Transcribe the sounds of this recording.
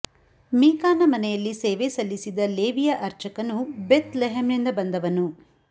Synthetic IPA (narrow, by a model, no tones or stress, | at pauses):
miːkaːnɐmɐnɛjɐlːiseːʋesɐlːisid̪ɐleːʋijɐʔɐɾt͡ʃɐkɐnubeːt̪leɦemnind̪ɐbɐnd̪ɐʋɐnu